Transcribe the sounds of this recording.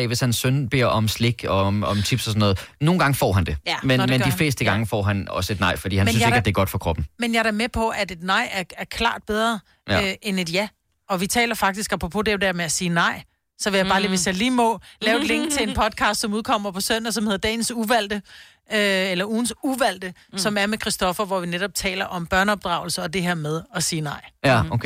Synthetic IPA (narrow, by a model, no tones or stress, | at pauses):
ɛʋe̝shænsːønb̥e̝ɐ̰ɒ̽msle̝ɡ̥ɒ̽ɒmt͡sʰyb̥sɒsɒnːɔ̽ːð̩ˠno̝ːn̩ɡ̥ɑ̈ŋəfɒ̰ːɦænd̥e̝menmend̥ile̝̰ːsd̥əɡ̥ɑ̈ŋəfɒ̰ːɦænɒ̽səe̝d̥nɑ̈ɪ̰fɒd̥ḭːhænmn̩e̝ɡæd̥eɐɡ̥ɒ̽d̥fɒ̽kʰʁɒ̽b̥n̩menjɑ̈æɐmepʰɒ̽ʔæd̥e̝d̥nɑ̈ɪ̰æɐæɐkʰlɑ̰̈ːd̥b̥eð̞ˠʁɐ | øʔene̝d̥jæ | ɒ̽ʋit͡sʰɛ̰ːlɐfɑ̈ɡ̥̚d̥isɡ̥ɑ̈pʰʁopʰod̥ed̥æɐ̰meæsiːnɑ̈ɪ̰ | sɒ̽ʋe̝jɑ̈ɪb̥ɑːliʋesjɑliːmɔ̽lɛːʊkʰle̝ŋ̰ɡ̥̚t͡sʰe̝enpʰɒ̽d̥̚kʰɑ̈ːsd̥sɒ̽muð̞ˠkʰɒ̽m̰ɐpʰɒ̽søn̰ɐsɒ̽mhe̝ð̞ˠɐd̥ɛ̰ːn̩suʋæl̰d̥ə | elɐuːn̩suʋæl̰d̥ə | sɒ̽mæɐmekʰʁisd̥ɒ̽fɐʋɒʋineɾ̥ɒ̽b̥̚t͡sʰɛ̰ːlɐʔɒ̽mb̥ɶɐnəɒ̽b̥̚d̥ʁɑ̈ʊl̩səɒ̽d̥e̝ɦeɐ̰með̞ˠɒ̽siːnɑ̈ɪ̰